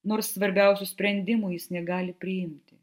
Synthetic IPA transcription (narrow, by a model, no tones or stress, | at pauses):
noːɾssːʋɐɾʲbʲɛˑʊsʲʊsʲpʲɾʲɛnʲd̪ʲɪmʊjɪsnʲɛɡɑːlʲɪpʲɾʲɪjɪmʲt̪ʲɪ